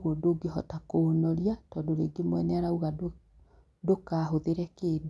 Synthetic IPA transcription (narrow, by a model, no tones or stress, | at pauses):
ɣodoɡeɦɔtakonɔɾiatɔdoɾeɡemwɛnɛaɾauɣa | dokaɦoðeɾɛkeːd